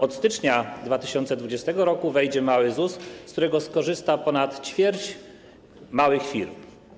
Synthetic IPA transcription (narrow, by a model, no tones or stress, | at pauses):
ɔt̪st̪ɘt͡ʂɲad̪vat̪ɘɕɔnt̪sɛd̪vud͡ʑɛst̪ɛɡɔɾɔkuvɛjd͡ʑɛmawɘzusːkt̪uɾɛɡɔskɔʐɘst̪apɔnat̪t͡ɕfʲjɛɾt͡ɕ | mawɘxfʲiɾm